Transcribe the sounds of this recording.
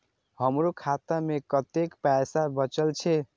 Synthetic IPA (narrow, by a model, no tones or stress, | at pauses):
hʌmɾokʰat̪amekʌt̪ekpasabʌt͡ʃəlt͡ʃʰe